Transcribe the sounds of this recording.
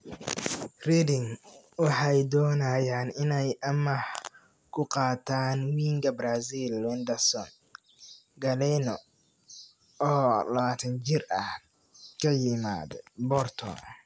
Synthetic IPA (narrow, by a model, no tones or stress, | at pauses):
rid̪ɪŋ | wɑħɑjd̪ɔːnajaːnɪnɛjʔɐmɐh | kʰʊqɑːt̪ʰaːnwiːŋkʰɐbɾaːsilwɛnd̪ɐsɔn | ɡɐlɛnɔ | ɔːlɐβaːt̪ʰɐnt͡ʃɪrɐh | kʰɐjɪma̰ːd̪bɔrt̪ʰɔ̰